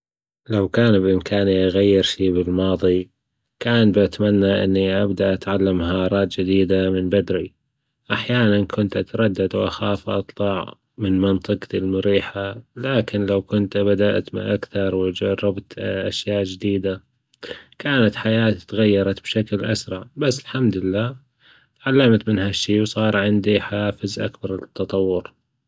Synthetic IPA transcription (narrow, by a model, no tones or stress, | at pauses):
lawkaːnbʔɪmkʰaːnʔaɣajːɪɾʃiːbɪlmɑːðˤi | kaːnbʔat̪manːaʔɪ̰nːiʔabd̪aʔat̪ʕalːamɦɑːɾˤɑːt̪̚d͡ʒɪd̪iːd̪amɪnbad̪ɾi | ʔaħjaːnankʰʊnt̪ʔat̪ɾˤɑd̪ːad̪wʔaxaːfʔɑt̪ˤlɑʕ | mɪnmɪnt̪ˤɨqt̪ɪlmʊɾiːħalaːkɪnlawkʊnt̪bad̪aʔt̪mɪʔakθɑɾˤwɪd͡ʒɑrˤːɪbt̪ʔaʃjaːʔd͡ʒɪd̪iːd̪a | kaːnat̪ħajaːt̪t̪ɣajːɑɾˤɑt̪bʃaklʔa̰sɾˤɑʕbasːɪlħamd̪ɪlːaː | ʕalːamt̪mɪnhaʃːiːwsˤɑːɾˤʕɪnd̪iħaaːfɪzʔa̰kbɑɾˤɪt̪ːɑt̪ˤɑwːʊɾ